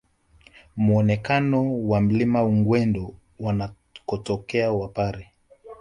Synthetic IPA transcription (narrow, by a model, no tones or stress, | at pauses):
muɔnɛkanɔwam̩limauŋɡwɛndɔ | wana | kɔtɔkɛawapaɾi